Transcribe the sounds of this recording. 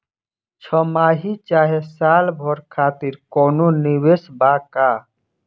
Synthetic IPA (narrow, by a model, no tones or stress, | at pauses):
t͡ʃʰɔmaːɦit͡ʃaːɦesaːlbʱɔɾkʰaːt̪iɾkɔːnoniwesbaːka